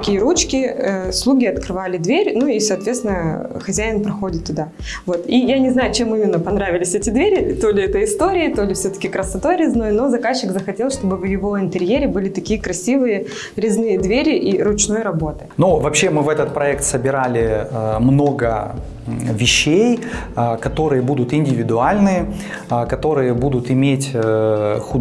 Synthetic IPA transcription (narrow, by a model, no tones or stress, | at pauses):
kʲijəɾut͡ɕkʲɪəslˠuɡʲɪɐt̪kɾɨvalʲɪd̪vʲeɾʲnuisɐːt̪vʲet̪sʲɪnəxɐzʲæjɪnpɾɐxo̞dʲɪt̪ːʊd̪a | vo̞t̪ijanʲɪznajʊt͡ɕe̞mɨmʲɪnːəpɐnɾavʲɪlʲɪsʲɛtʲɪd̪vʲeɾʲɪt̪o̞lʲɪɛt̪əjɪst̪o̞ɾʲɪɪt̪o̞lʲɪfsʲɵt̪ə̥kʲɪkɾəsɐt̪o̞jɾʲɪzno̞jno̞zɐkaɕːɪkzəxɐtʲe̞lˠʂt̪o̞bɨvjɪvo̞ɪnt̪ɨɾʲjeɾʲɪbɨlʲɪt̪ɐkʲijəkɾɐsʲivɨjə | ɾʲɪznɨjəd̪vʲeɾʲɪʔiɾʊt͡ɕno̞jɾɐbo̞t̪ɨ̥nuvɐpɕːemɨvɛt̪ət̪̚pɾɐɛkt̪səbʲɪɾalʲɪmno̞ɡə | vʲɪɕːej | kɐt̪o̞ɾɨjəbud̪ʊt̪ɪnʲdʲɪvʲɪd̪ʊalʲnɨjə | kɐt̪o̞ɾɨjəbud̪ʊt̪ɪmʲetʲ | xʊ